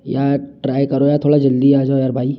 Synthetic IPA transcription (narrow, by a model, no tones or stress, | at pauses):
jaːɾʈɾaːjkɐɾojaːɾt̪ʰoːɽad͡ʒɐld̪iaːd͡ʒaojaːɾbʱaːi